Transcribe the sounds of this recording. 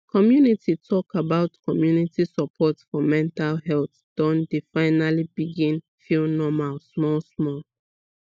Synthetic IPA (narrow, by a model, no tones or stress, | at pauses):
kʰɔmjunitʰitʰɔkabaʊtkʰɔmjunitʰisəpʰɔtfɔmɛ̃ntalɦɛlˠθ | d̥ɔ̃ndefaɪnalibiɡĩn | filnɔmalsmɔlsmɔl